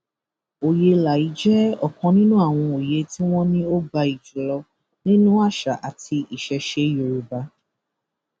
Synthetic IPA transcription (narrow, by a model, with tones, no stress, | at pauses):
o˨je˧la˨i˨˦d͡ʒɛ˦ɔ˦˨kɔ̃˧nĩ˦nũ˦a˦˨w̃ɔ̃˧o˨je˨˦ti˦w̃ɔ̃˦nĩ˦o˦ɡ͡ba˧i˨d͡ʒu˨lɔ˧ | nĩ˦nũ˦a˦˨ʃa˨ʔa˨tʰi˧ʔi˨ʃɛ˨˦ʃe˧˦jo˨ɾu˨ba˨˦